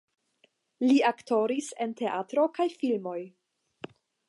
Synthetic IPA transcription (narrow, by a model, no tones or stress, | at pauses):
liakto̞ɾise̞̰nte̞ʔatɾo̞kajfilmo̞j